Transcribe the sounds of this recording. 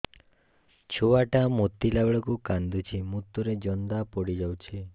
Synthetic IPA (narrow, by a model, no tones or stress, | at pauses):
t͡ʃʰuwaʈamut̪ːilabɭɔkukand̪ut͡ʃʰimut̪ːuɾed͡ʒɔnd̪apɔɽid͡ʒawt͡ʃʰi